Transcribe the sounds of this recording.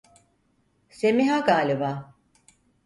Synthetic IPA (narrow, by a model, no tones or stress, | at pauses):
semiɦaɡaːlʲibaː